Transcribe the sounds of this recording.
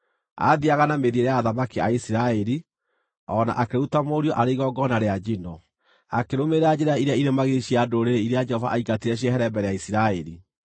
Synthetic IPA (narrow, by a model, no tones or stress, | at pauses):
a̰ðiaɣanameðeɾeaːðamakia̰isiɾaɛɾi | ɔna̰ʔakeɾutamoːɾiɔʔaɾeiɣɔɡɔnaɾead͡ʒinɔ | akeɾomeɾad͡ʒeɾaiɾeaiɾemaɣeiɕiadoɾeɾeiɾead͡ʒɛhɔva̰ʔaiɡatiɾɛɕ̬iɛɦɛɾɛmbɛɾɛjaisiɾaɛɾi